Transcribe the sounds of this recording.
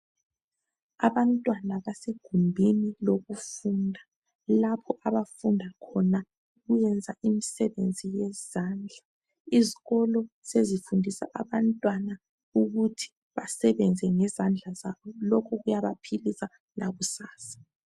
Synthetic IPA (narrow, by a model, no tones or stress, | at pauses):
a̰βantʼwanaβaseɡ̥ʱumbʱiniloɣufundʱa | lapʰɔʔaβafundʱakʰɔna | ɣujɛnd͡zʱaʔimisɛβend͡zʱijɛzaːnd͡ɮʱa | iziɣɔlɔ | sezifundʱisa̰ʔa̰βantʼwana | uɣutʰi̥ | βasɛβɛnd͡zʱɛŋɛzand͡ɮʱazaβɔlɔkʰɔɣujaβapʰilisa | laɣusaːsḁ